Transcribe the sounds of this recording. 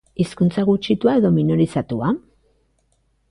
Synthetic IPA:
iskunt͡saɣut͡ʃit̪uae̞ðo̞minoɾisat̪ua

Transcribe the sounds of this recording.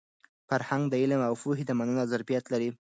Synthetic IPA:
faɾhaŋɡd̪əɪlmawfuɦid̪amanənazaɾbijat̪laɾi

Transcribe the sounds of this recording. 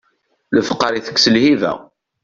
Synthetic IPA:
ləfəqːəɾiθə̥kːsəlhivæ̰

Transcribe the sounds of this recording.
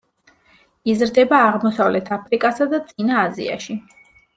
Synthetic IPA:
izɾd̪ɛbaːʁmɔsavlɛt̪ʰapʰɾikʼasad̪at̪sʼinaːzḭa̰ʃi

